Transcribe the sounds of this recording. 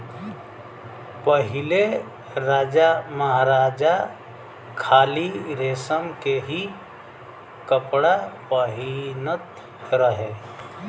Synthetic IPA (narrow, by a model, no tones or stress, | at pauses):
pəɦɪle | ɾaːd͡ʒaməɦaɾaːd͡ʒa | kʰaːliɾeːsəmkeɦi | kəpɽapəɦinət̪ | ɾəɦeː